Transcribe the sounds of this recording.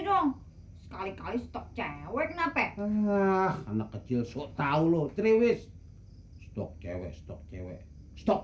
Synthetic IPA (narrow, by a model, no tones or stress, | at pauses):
dɔŋ | sə̥kalikalist̪ɔk̚t͡ʃɛwərt̪̚napɛ | hnəkːə̥t͡ʃɪlsoʔt̪aulot̪ɾiwɪs | st̪ɔk̚t͡ʃɛwɛ̰ʔst̪ɔk̚t͡ʃɛwɛ̰ʔ | st̪ɔk̚